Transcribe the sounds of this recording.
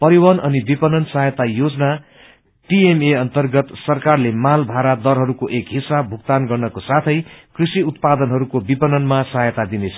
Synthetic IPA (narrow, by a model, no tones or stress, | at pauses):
pʌɾiwʌnʔʌnibipʌnʌnsajʌt̪ajod͡zna | ʈiemeʌnt̪ʌrɡʌt̪sʌrkarlemalbʱaɾad̪ʌrɦʌɾukoʔekɦisabʱukt̪anɡʌrnʌkosat̪ʰʌjkrisiut̪̚pad̪ʌnɦʌɾukobipʌnʌnmasajʌt̪ad̪inet͡sʰʌ̥